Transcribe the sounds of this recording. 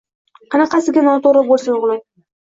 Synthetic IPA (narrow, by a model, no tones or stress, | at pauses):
qʰɑnɑqɑsɪɡʲanɒt̪oɾɨbolˠsajʊʁlˠaj